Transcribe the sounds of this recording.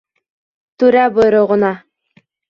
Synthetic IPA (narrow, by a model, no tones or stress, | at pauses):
t̪ʉɾæbojɾŏʁŏnɑ